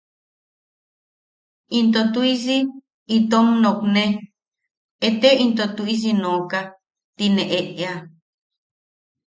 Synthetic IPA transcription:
int̪ot̪uis̬i | it̪omnõknẽ | et̪eint̪ot̪uis̬inõka | t̪inẽʔeʔea

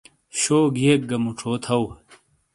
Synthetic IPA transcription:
ɕoːɡijek̚ɡɐmuʈ͡ʂʰoːt̪ʰɐw

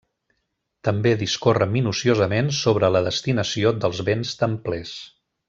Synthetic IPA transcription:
t̪əmbeðiskorəminusiozəmensoβ̞ɾələðəst̪inəsiod̪əlˠzβenst̪əmplɛs

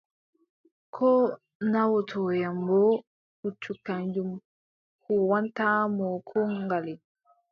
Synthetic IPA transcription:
kʰɔː | nawɔtʰɔjambɔ | kut͡ʃːukaɲd͡ʒum | kuwantaːmɔkʰɔŋɡali

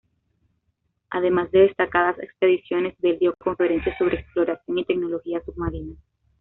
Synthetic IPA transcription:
a̰ðe̞mazd̪e̞ðe̞st̪akaðase̞̰kspe̞ðisjo̞ne̞zðeld̪joko̞ɱfe̞ɾe̞nsjaso̞β̞ɾe̞ːksplo̞ɾasjo̞ŋit̪e̞k̚no̞lo̞xiasub̚maɾina

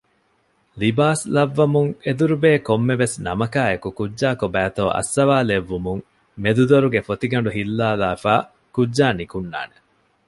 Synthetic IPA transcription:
libaːslɐʋːɐmuŋed̪uɾubeːkomːeʋesnɐmɐkaːekukudːaːkobæːt̪oːʔɐ̰sːɐʋaːleʋːumuŋ | med̪ud̪oɾuɡefot̪iɡɐɳ̆ɖuɦilːaːlaːfaː | kudʒaːnikunːa̰ːne

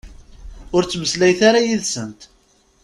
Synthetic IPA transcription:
ʊɾt͡sːməslæjθaɾajiðsənt̪

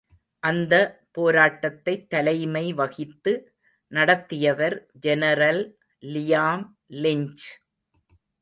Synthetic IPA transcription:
ʔɐnd̪ɐpoːɾaːʈːɐt̪ːɐɪt̪ːɐlɐɪmɐɪʋɐɣɪt̪ːɯ | nɐɽɐt̪ːɪjɐʋɐɾd͡ʒɛnɐɾɐlː | ɪjaːm | lɪɲt͡ʃ

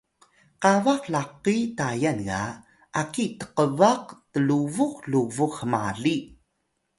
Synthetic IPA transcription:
qavaqlaqitajanŋa̰ | ʔakitə̥qəvaqtəluvuqluvuχəmaɮi

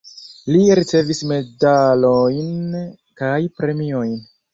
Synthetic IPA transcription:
liɾit͡se̞visme̞dalojn | kajpɾe̞mio̞jn

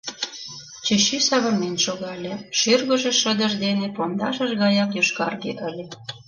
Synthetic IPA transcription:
t͡ɕəɕysɑβə̆rmenʃoɣɑlʲeʃyrɣə̆ʒeʃəd̪ə̆ʒd̪enepɑnd̪ɑ̰ʃə̆ʒɣɑjɑkjyʃkɑ̰rɣḛʔəlʲe

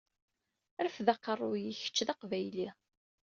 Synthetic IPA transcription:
ɾfðɑqərˤːʊjiçə̥t͡ʃːðɑqvæjli

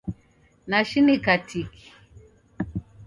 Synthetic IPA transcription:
naʃinikatʰikʰi̥

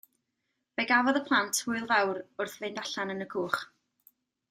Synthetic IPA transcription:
b̥ɛɡavɔðəpʰlˠantʰhʊɨlˠvawɾʊrθvendaɬanənəɡʰuːχ

